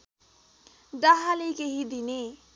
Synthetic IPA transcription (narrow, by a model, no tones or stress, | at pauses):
ɖaɦalekeɦid̪ine